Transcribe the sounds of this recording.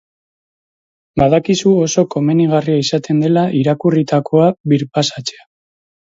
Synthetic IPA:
baðakisuo̞so̞ko̞me̞niɣ̞ariaisat̪ʰe̞nd̪e̞laʔiɾakurit̪ako̞aβiɾpasat͡se̞a

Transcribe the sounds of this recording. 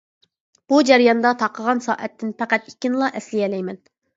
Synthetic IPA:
b̥ud͡ʒɛɾijɑnd̪ɑt̪ʰɑqʰːəʁɑnsɑ̰ːʔɛt̪ʰːɪnpʰæqæt̪ikʲinɨlˠɑʔɛslɪjɛlɛjmɛn

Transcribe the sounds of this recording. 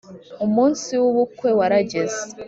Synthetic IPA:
umuːnsiwuβukwe̞waɾaɟe̞ze̥

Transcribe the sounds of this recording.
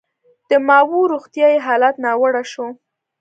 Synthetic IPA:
d̪̥əmɑwuɾuxt̪jɑjeɦɑlat̪nɑwəɽaʃo

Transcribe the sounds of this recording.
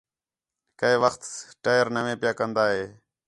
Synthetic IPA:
kəeːʋəxt̪ʈaːjəɾnəʋẽːpɪjaːkənd̪aːɦeː

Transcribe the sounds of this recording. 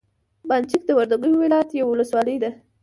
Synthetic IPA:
bant͡ʃik̚d̪əwaɾd̪aɡəjowɪlɑjat̪jawwʊləswɑləjd̪a

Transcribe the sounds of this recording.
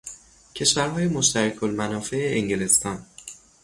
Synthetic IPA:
cʰe̞ʃvæɾɦɒːjemo̞ʃt̪æɾækʰolmænɒːfe̞eːŋɟelest̪ɒːn

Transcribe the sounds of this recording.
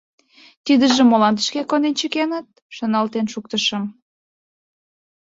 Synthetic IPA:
t̪id̪əʒĕmolɑnt̪ə̥ʃkekond̪ent͡ɕəkenət̪̚ | ʃonɑlt̪enʃuk̚t̪əʃə̆m

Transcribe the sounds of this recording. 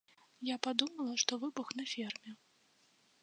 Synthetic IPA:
japad̪umɐlˠɐʂt̪ɔvɨbuxnɐfʲɛrmʲɛ

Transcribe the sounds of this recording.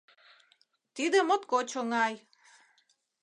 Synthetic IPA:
t̪id̪əmot̪kot͡ɕʰoŋaj

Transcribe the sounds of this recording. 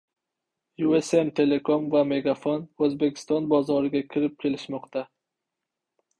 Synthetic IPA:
jue̞semt̪ʰe̞le̞kʰomvame̞ɡafonɵzbe̞kʲʰɪ̥st̪ɒnbɒzɒɾɪɡʲakʲʰɪɾɪp̚kʲʰe̞lɪʃmɒqt̪ʰa

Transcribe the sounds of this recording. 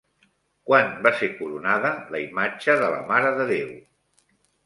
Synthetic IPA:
kwanbasekuɾunaðələimad͡ʒəðələ̰maɾəðəðew

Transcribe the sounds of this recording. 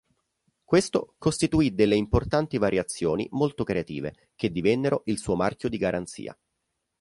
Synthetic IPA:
kwest̪okost̪it̪uid̪elːeimport̪ant̪ivaɾʔjat̪sːjoːnḭmolt̪okɾeat̪ḭːvḛ | ked̪ːivɛnːeɾoʔilsuːomarkʲjod̪iɡaɾʔant̪sḭːa̰

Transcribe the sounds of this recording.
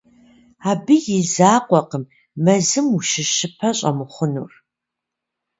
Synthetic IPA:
aːbɨjɪzaːqʷɔqəmː | ɐzɨmuʃɪʃɨpʰɐɕʼɐ̰mɨχʷʊnṵːr

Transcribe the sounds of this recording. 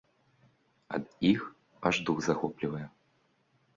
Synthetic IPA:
ɐ̰d̪ix | aʐd̪uɣzaxɔplʲivɐjɛ

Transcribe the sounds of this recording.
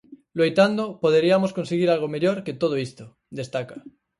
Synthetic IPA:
loejt̪and̪opoð̞eɾiamosko̞nseɣ̞iɾalɣ̞ome̞ʎoɾke̞t̪oð̞oist̪o | d̪e̞st̪aka

